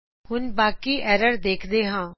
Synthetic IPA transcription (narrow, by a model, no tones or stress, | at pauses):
hʊnbaːkiːʔɛːɾəɾd̪eːkʰd̪eːɦãː